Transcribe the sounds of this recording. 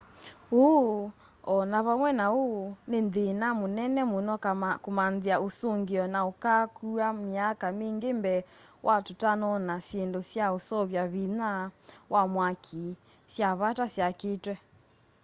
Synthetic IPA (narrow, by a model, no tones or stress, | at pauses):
o | ɔnaβamwɛnaonenðenamonɛnɛmonɔkkomanðeaosoŋɡeɔnaokakuameakameŋɡembɛ | wʔatotanɔnasjendosjaosɔβjaβinawʔamwakʰi | sjaβatasjaketwɛ